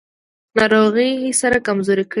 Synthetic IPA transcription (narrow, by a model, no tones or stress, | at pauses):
nɑɾoɣəjsaɾakamzoɾik